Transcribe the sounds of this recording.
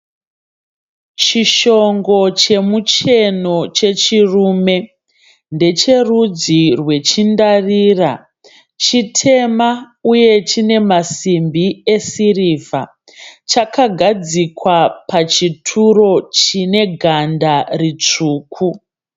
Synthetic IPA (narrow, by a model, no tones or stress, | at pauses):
t͡ʃiʃo̞ŋɡo̞t͡ʃe̞mut͡ʃe̞no̞t͡ʃe̞t͡ʃiruːme̞ | nde̞t͡ʃe̞rud͡zirwe̞t͡ʃindariːra | t͡ʃitʰe̞ma | uje̞t͡ʃine̞masimbiesiriva | t͡ʃakaɡʱad͡zikwapat͡ʃitʰuro̞t͡ʃine̞ɡʱandarit͡ʂuːkʰu